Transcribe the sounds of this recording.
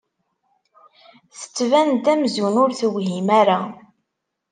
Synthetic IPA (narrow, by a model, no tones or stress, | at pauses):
θə̥t͡sːvænt̪æmzunʊɾθəwɦimæɾa